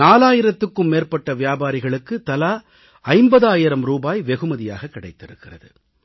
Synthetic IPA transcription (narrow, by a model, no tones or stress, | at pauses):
naːlaːjɪɾɐt̪ːɯkːɯmːeːrpɐʈːɐʋɪjaːbaːɾɪɣɐɭɯkːɯt̪ɐlaː | ɐɪmbɐðaːjɪɾɐmɾuːbaːjʋɛɣɯmɐðɪja̰ːɣɐkːɪɽɐɪt̪ːɪɾɯ̰kːɪrɐ̰ðɯ̰